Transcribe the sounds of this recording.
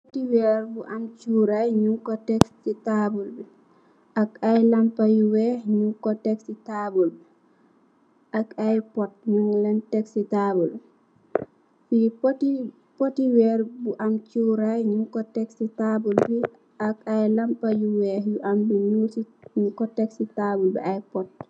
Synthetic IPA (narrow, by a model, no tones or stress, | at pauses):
ppotiwɛɾbuʔamt͡ʃuɾajɲuŋkɔtɛkssitabulb | ʔakajlampajuwɛɲuŋkɔtɛksitabulb | ʔakajpɔt̚ɲuŋlɛntɛksitabul | fipti | potiwɛɾbuʔamt͡ʃuɾajɲuŋkɔtɛksitabulbi | ʔakajlampajuwɛhjuʔambiɲusiɲukɔtɛksitabulbɛ̰ajpɔt̚